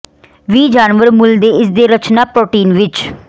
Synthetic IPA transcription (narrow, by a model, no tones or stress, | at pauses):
ʋiːd͡ʒaːnʋəɾmʊld̪eːɪsd̪eːɾət͡ʃnaːpɾoːʈiːnʋɪt͡ʃ